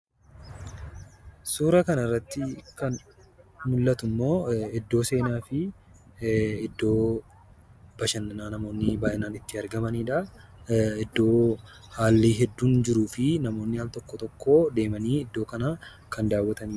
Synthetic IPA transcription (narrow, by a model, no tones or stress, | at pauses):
suːɾɐkɐnɐɪrːɐt̪ːɪkɐn | mʊlːɐt̪ʊmːo̞ːɛd̪ːo̞ːse̞ːnaːfɪ | ɛd̪ːo̞ː | b̥ɐʃɐnːɐnaːnɐmo̞ːnːɪbaːʔɪnaːnɪt̪ːɪɐɾɡɐmɐniːᶑɐ | ɛd̪ːo̞ː | haːlːiːɦɛd̪ːuːnd͡ʒɪɾuːfɪnɐmo̞ːnːɪhaːlt̪ɔkːɔt̪ɔkːo̞ːd̪e̞ːmɐniːɪd̪ːo̞ːkɐna | kʰɐnd̪aːwːɐt̪ɐniː